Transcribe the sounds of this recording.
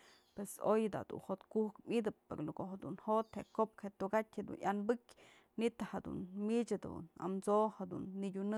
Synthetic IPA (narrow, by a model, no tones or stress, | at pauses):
pwesojd̪a̰d̪ṵnhot̪kuhkmʲid̪ɨpːḛɾlokoʔhed̪unhot̪heʔkop̚khet̪uɡatʲhed̪ṵnjanbɨkʲ | nit̪ahad̪ṵnmit͡ʃad̪ṵna̰mt͡sohad̪ṵnːiɡʲunɨ